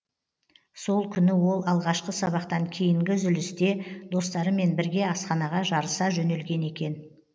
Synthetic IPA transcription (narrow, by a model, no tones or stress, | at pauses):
so̞lˠkʲʰʏnɪwo̞lˠɑlˠʁɑʃqəsɑβɑqt̪ɑŋkʲʰejɪŋɡʲɪzʏlɪst̪e̞d̪̥o̞st̪ɑɾəme̞nbɪɾɡʲe̞ɑsqɑnɑʁɑʒɑɾəsɑʒɵne̞lɡʲe̞ne̞kʲe̞n